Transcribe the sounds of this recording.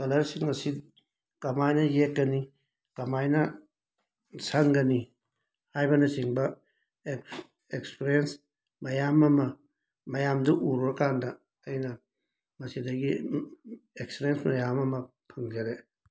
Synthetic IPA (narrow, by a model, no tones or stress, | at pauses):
kɐlɐɾsiŋmɐsi | kɐmajnɐjek̚ɡɐni | kɐmajnɐ | saŋɡɐni | hajbɐnɐsiŋbɐ | e | ekspeɾijens | mɐjamɐmɐ | mɐjamduʔuɾɾɐkandɐː | jnɐ | mɐsidɐɡi | ekspeɾensmɐjamɐmɐ | pʰɐŋd͡ʒɐɾe